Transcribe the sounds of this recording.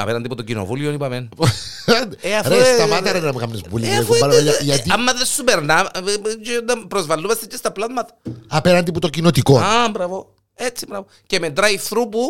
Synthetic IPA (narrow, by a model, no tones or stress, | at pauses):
ɐ̰peɾɐnd̪iput̪ocino̰vulionipɐmen | eɐfest̪ɐmɐt̪ɐɾɐnɐmekɐmnespulilekopɐlejɐʝɐt̪iɐmːɐðesːupeɾnɐt͡ʃeond̪ɐpɾozvɐlːumɐst̪ecːest̪ɐplɐðmɐt̪ɐ̥ɐpeɾɐnd̪iput̪ocinot̪ikonɐbɾɐvo | et͡sːibɾɐvocemet̪ɾɐifɾupu